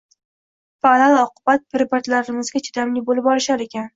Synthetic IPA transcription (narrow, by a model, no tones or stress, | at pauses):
faalˠɒqʰʊbat̪̚pɪɾbaɾt̪laɾɪmɪzɡʲat͡ʃʰɪ̥d̪amlɪbolɪpɒlɪʃaɾekʲan